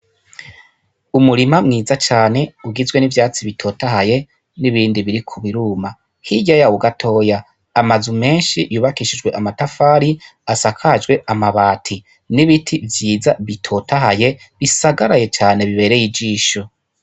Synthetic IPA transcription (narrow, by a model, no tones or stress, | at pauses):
umuɾimamŋiːzat͡ʃaːne̞uɡizɡwe̞nivjaːt͡siβitʰo̞taɦaje̞ | niβiːndiβiɾikʰuβiɾuːma | hiɟajawuɡatʰo̞ːja | amazume̞ːnʃijuːβakiʃid͡ʒwe̞ʔamatafaːɾi | asakʰad͡ʒɡwe̞ʔamaβaːtʰi | niβitʰivjiːzaβitʰo̞taɦaje̞ | βisaɡaɾaje̞t͡ʃaːne̞βiβe̞ɾe̞jid͡ʒiːʃo̞